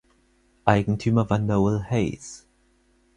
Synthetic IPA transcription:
ʔaɪɡŋ̩tʰyːmɐvandɐvʊlhɛɪs

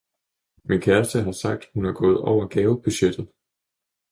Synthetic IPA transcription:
minkʰæɐsd̥əɦɑ̈sɑ̈ɡ̥̚d̥hunæɐɡ̥ɔ̽ːð̞̩ˠɒʊ̰ɐɡ̥ɛːʊb̥yɕed̥ð̩ˠ

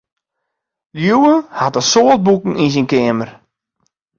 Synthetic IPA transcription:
ljuwəhatəsoːət̚bukŋ̩ins̬inkɪəmər

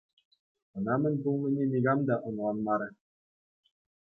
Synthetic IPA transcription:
ɤ̆nɑmɘ̆nʲbulˠmɘ̆nʲenʲiɡɑmd̪ɑʔŏɴlˠɑnmɑɾɤ̆

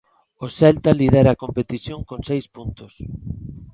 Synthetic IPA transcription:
osɛlt̪aliðɛɾakompet̪iθjoŋkoŋsejspunt̪ʊs

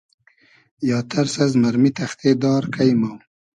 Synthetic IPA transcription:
jɑːt̪ʰaɾsazmaɾmit̪ʰaxt̪ʰed̪ɑːɾkʰajmaw

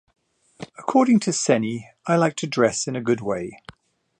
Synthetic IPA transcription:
əkʰɔːɾɪ̃ŋtʰəsɛni | aɪlaɪk̚tʰədɹɛsɪ̃nəɡʊd̚weɪ

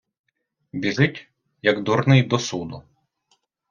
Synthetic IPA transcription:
bʲiʒɪtʲ | jɐɡd̪uɾnɪjd̪ɔsud̪ʊ

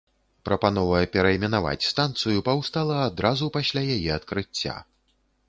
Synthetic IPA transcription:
pɾɐpanɔvɐjɛpʲɛɾɐɛmʲɛnava̰t͡sʲst̪ant̪sɨjupɐwst̪alˠɐːd̪ɾazupasʲlʲajajɛɐt̪kɾɨt͡sʲːa̰

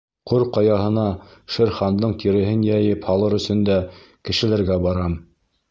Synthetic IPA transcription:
qoɾqɑjɑɦɤ̆nɑʃɘ̆ɾχɑnd̪ɤɴt̪iɾɘ̆ɦɘnjæjɘphɑlˠɤɾɵ̆sɵ̆nd̪æ | kɘ̆ʃɘ̆læɾɡæbɑɾɑm

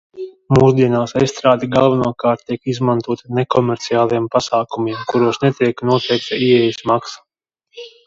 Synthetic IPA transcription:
muːsd̪iɛnaːsesst̪ɾaːd̪iɡalˠvanuɔkaːɾt̪ːiɛkizmant̪uɔt̪anekɔmʲɛɾt̪sijaːlˠijɛmpasaːkumiɛmkuɾuɔsnɛt̪iɛknuɔt̪ɛjk̚saiɛjismaksḁ

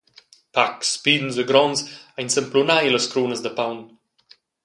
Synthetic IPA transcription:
pakspid̪n̩zəɡɾɔnzajnsəmplunajləskɾuːnəzd̪əpawn

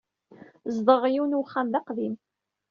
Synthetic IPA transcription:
zd̪ˤəʁjiwnuwχːæmðɑqðim

